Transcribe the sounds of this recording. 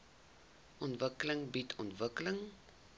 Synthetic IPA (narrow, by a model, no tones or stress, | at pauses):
ʔɔntvəkələŋbitʰɔ̰ntvəkələŋ